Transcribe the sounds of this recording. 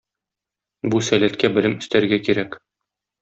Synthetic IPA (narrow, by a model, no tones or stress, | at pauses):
busælæt̪kæbɘ̆lɘmɵ̆st̪æɾɡækiɾæk